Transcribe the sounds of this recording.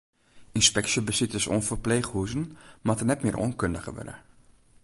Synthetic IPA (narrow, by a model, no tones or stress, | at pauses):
inspɛksəbəsitəsɔ̰nfərpleːχhuzənmatənɛtmɪːrʔɔ̰nkøndəχə̰ʋø̰də̰